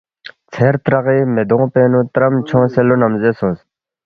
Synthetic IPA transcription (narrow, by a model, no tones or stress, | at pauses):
t͡sʰeːɾt̪ɾɐʁiːmed̪õːpeːnut̪ɾɐmt͡ɕʰɔ̃ːselunɐmzesõːs